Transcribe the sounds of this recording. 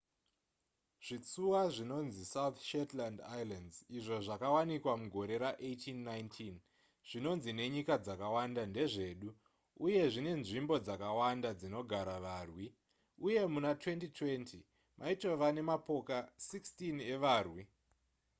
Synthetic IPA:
ʐ̥it͡suwaʐino̞nzisauθʃetlandajlanziʐo̞ʐakawanikwamuɡʱo̞ɾe̞ɾaʔetʰinːajntʰin | ʐ̥ino̞nzine̞ɲikad͡zakawandande̞ʐe̞ːɗu | uje̞ʐine̞nʐimbo̞d͡zakawandad͡zino̞ɡʱaɾaʋaːrwi | uje̞munatwe̞ntitʰwe̞ntʰi | mʔaito̞ʋane̞mapo̞kasikstine̞ʋaːrwi

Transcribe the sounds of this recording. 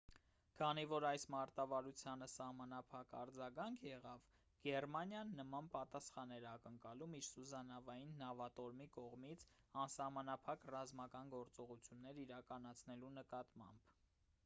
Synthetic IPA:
kʰɑnivɔɾɑjsmɑɾt̪ɑvɑɾut͡sʰjɑnəsɑhmɑnɑpʰɑkɑ̰ɾd͡zɑɡɑŋkʰjɛʁɑv | ɡ̥ɛrmɑnjɑnːəmɑnpɑt̪ɑsχɑnɛɾɑkəŋkɑlumiɾsuzɑnɑvɑjinːɑvɑt̪ɔɾmikɔʁmit͡sʰɑnsɑhmɑnɑpʰɑkrɑzmɑkɑnɡɔɾt͡sɔʁut͡sʰjunːɛɾiɾɑkɑnɑt͡sʰnɛlunəkɑt̪mɑ̰mb̥

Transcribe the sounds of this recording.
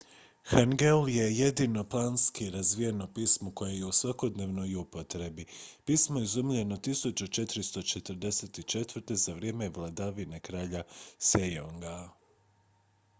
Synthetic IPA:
xaŋɡelje̞je̞d̪ino̞plˠaːnskiɾazʋije̞no̞piːsmoko̞jeje̞usʋako̞d̪ne̞ːʋno̞jupo̞t̪ɾe̞bipiːsmoizumʎe̞no̞t̪isut͡ʃut͡ʃe̞t̪ɾist̪o̞t͡ʃe̞t̪rɾd̪e̞set̪it͡ʃe̞t̪ʋɾ̩t̪e̞zaʋɾije̞ːme̞ʋlˠad̪aʋine̞kɾaːʎasejoŋɡa

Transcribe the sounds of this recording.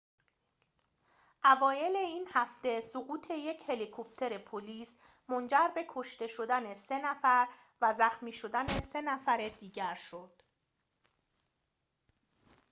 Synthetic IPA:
ʔævɒːje̞le̞iːnhæft̪e̞soɣuːt̪ʰe̞je̞cʰhe̞likʰop̚t̪ʰe̞ɾe̞pʰoliːs | mo̞nd͡ʒæɾbe̞kʰo̞ʃt̪e̞ʃo̞d̪æne̞se̞næfæɾ | væzæxmiːʃo̞d̪ænese̞næfæɾe̞d̪iːɟæɾʃod̪̥

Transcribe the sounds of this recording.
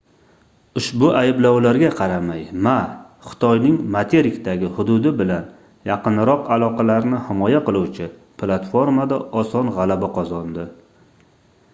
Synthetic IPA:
ʊʃbʊʔajɪblawlaɾɡʲaqʰɑɾamajma | χɨ̥t̪ʰɒjnɪŋmat̪ʰeɾɪkʲt̪aɡʲɪhʊd̪ʊd̪ɪbɪlan | jɑqɨnɾɒqalˠɒqɑlaɾnɪhɪmɒjaqɨlˠuwt͡ʃʰɪ | pʰlˠat̪fo̞ɾmad̪aɒsɒnʁɑlabaqʰɒzɒnd̪ɪ

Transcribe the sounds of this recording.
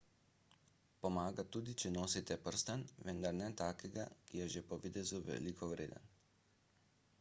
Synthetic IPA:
pɔmaːɡat̪uːd̪it͡ʃɛnoːsit̪ɛpəɾst̪anʋənd̪aɾnɛt̪aːkɛɡakijɛʒepɔʋit̪ɛzuʋɛ̰likʰɔʋɾḛːd̪ə̰n

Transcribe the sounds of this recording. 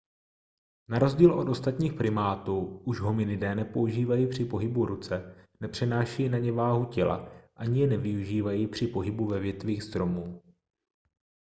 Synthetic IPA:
naɾo̞zɟiːlʔo̞t̪o̞st̪at̪ɲiːxpɾɪmaːt̪uːuʒɦomɪnɪdɛːnɛpo̞uʒiːvajipr̝̥ɪpo̞ɦɪbuɾut͡sɛnɛpr̝̥ɛnaːʃɛjinaɲɛvaːɦucɛla̰ʔaɲɪjɛnɛvɪuʒiːvajipr̝̥ɪpo̞ɦɪbuvɛvjɛt̪viːxst̪ɾo̞muː

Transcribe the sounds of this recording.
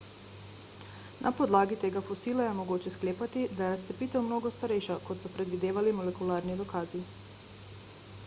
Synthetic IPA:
nʔapɔd̪laːɡit̪eːɡafɔsiːlajɛmɔɡoːt͡ʃɛskleːpat̪id̪ajɛɾast̪sɛpiːt̪ɛwmnoːɡɔst̪aɾɛjʃakɔt̪sɔpɾɛd̪ʋid̪eːʋalimɔlɛkulaːɾnid̪ɔkaːzi

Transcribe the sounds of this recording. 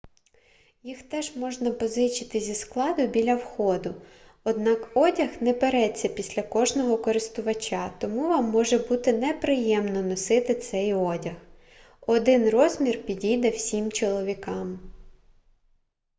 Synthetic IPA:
jixt̪ɛʒmɔʒnɐpɔzɪt͡ʃɪt̪ɪzʲisklˠɑd̪ʊbʲilʲɐwxɔd̪ʊ | ɔd̪nɑkɔdʲɐxnɛpeɾɛt͡sʲːɐpʲisʲlʲɐkɔʒnɔɦɔkɔɾɪst̪ʊʋɐt͡ʃʲɑt̪ɔmuʋɑmːɔʒɛbut̪ɪnɛpɾɪjɛmnɔnɔsɪt̪ɪt̪sɛjɔdʲɐx | ɔd̪ɪnrɔzmʲirpʲidʲijd̪ɛwsʲimt͡ʃɔlˠɔʋʲikɑm

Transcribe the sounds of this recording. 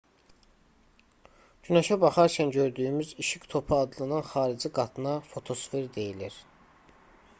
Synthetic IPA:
d͡ʒynɑʃɑbɑχɑɾcʰænɟø̞ɾd̪yymyziʃikt̪ʰo̞pʰɯɑd̪lˠɯnɯnχɑːɾid͡ʒiɡɑt̪ʰɯnɑfo̞t̪ʰo̞sveɾd̪e̞jiliɾ

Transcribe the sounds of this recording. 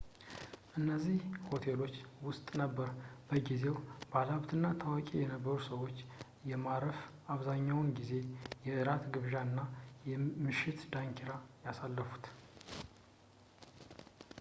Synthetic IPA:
ʔɨnːəzːihho̞t̪ʰe̞lo̞t͡ʃːwʊst̪ʼnəbːəɾbəɡize̞wbalaβt̪ʰɨnːat̪ʰəwakʼejɛnəbːəɾusəwo̞t͡ʃː | jɛmaɾəf | aβzaɲːawnɡize̞jɛʔɨɾat̪ɡɨβʒaɨnːajɛmɨʃɪt̪d̪aŋkʰiɾajasalːəfu̥t̪

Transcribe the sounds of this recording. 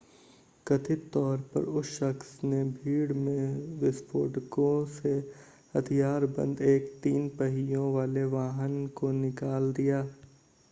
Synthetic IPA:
kɐt̪ʰɪt̪ɔːɾpɐ̰ɾʊsʃəxsnebʱiːɽmẽʋɪspʰo̰ːʈkõse | hɐt̪ʰijaːɾbɐ̰̃nd̪eːkt̪iːnpəɦɪjõʋaːleʋaːɦənkonɪkaːld̪ijaː

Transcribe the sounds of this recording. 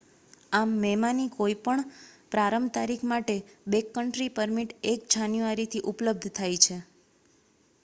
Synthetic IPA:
amːɛmanikoipəɳpɾaɾəmt̪aɾikʰmaʈebekːəɳʈɾipəɾmiʈek̚d͡ʒanjuaɾit̪ʰiʔupləb̚d̪ʱt̪ʰajt͡ʃʰe

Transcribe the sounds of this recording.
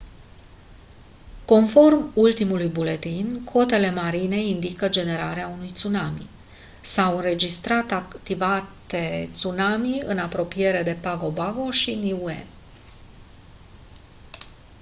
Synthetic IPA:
ko̞nfo̞rmult̪imulujbule̞t̪inkʰo̞t̪e̞le̞maɾine̞ind̪ikəd͡ʒe̞ne̞ɾaɾeaunujt̪sunamḭ | sawɨnɾe̞d͡ʒist̪ɾat̪akt̪ivat̪e̞t̪sunamiɨnapɾo̞pije̞ɾe̞d̪e̞paɡo̞bavo̞ʃiniuḛ

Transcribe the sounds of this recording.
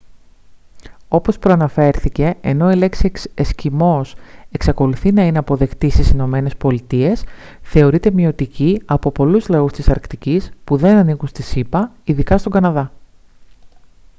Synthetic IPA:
o̞po̞spɾoɐnɐfe̞ɾθice̞ːno̞ile̞ksiescimo̞se̞ksɐko̞luθinɐineɐpo̞ðe̞kt̪ist̪isino̞me̞ne̞spo̞lit̪ie̞sθe̞o̞ɾit̪e̞mio̞t̪iciɐpo̞po̞luzlɐust̪isɐɾkt̪icispuðe̞nɐniɣunst̪isipɐiðikɐst̪o̞ɡɐnɐðɐ

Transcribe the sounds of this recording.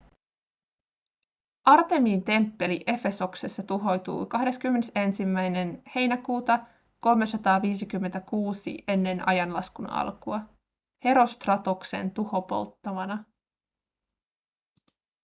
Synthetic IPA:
ʔɑrt̪e̞miːnt̪e̞mpːe̞liʔe̞fe̞so̞kse̞sːɑt̪uɦo̞jt̪ṵːkɑɦde̞skymːe̞ne̞se̞nsimːæjne̞nhe̞jnækuːt̪ɑ | ko̞lme̞sɑt̪ɑːʋiːs̬ikymːe̞nt̪ækuːsḭʔe̞nːe̞nɑ̰jɑnlɑskunɑ̰lkuɑ | he̞ɾo̞st̪rɑt̪okse̞̰nt̪uho̞po̞̰lt̪ːɑmɑnɑ

